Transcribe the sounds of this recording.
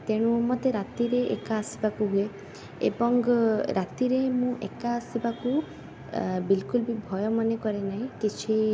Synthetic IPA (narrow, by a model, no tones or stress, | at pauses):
t̪eɽ̃ũmɔt̪eɾat̪iɾeʔḛkaːsi̥bakuɦue | ḛbɔŋɡɾat̪iɾemũʔekaːsibaku | bilkulbibʱɔjɔmɔnekɔɾenaɦĩkit͡ʃʰi